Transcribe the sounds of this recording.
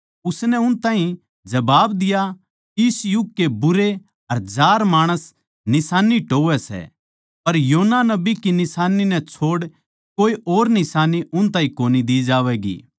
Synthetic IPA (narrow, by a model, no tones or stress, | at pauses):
ʊsnɛʊnt̪ãːɦĩ | d͡ʒɐbaːbd̪ɪja | ɪsjʊɡ̚kebʊɾe | ɐɾd͡ʒaːɾmaːɽ̃əs | nɪsaːniʈoːʋɛsɛ̰ | pɐɾjoːnanɐbikinɪsaːninɛ̃t͡ʃʰoːɽ | koːiʔoːɾnɪsaːniʊnt̪ãːɦĩkoːnid̪iːd͡ʒaːʋɛːɡḭː